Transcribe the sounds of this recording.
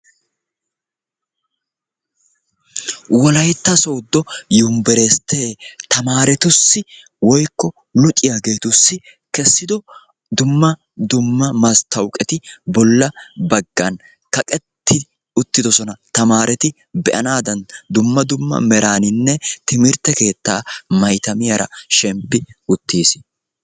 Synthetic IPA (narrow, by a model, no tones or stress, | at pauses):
wɔlɐjt̪ːɐsoːd̪ːɔjʊmbɛɾeːst̪ʰeːt̪ɐmaːɾɛt̪ʊsːɪ | wɔjkːɔ | lʊt͡ʃʼːɪjaːɡe̞ːt̪ʊsːɪ | kɛsːɪd̪ɔ | d̪ʊmːɐ | d̪ʊmːɐmɐst̪ʰɐwkʼɛt̪ɪbɔlːɐbɐɡːɐn | kɐkʼɛt̪ʰːɪ | ʊt̪ːɪd̪ɔsɔnɐt̪ɐmaːɾɛt̪ɪ | bɛʔɐnaːd̪ɐnd̪ʊmːɐd̪ʊmːɐ̰mɛɾaːnɪnːɛt̪ɪmɪɾt̪ːɛke̞ːt̪ːaːmɐjt̪ɐmɪjɐɾɐ̰ʃɛmpːɪʊt̪ːiːs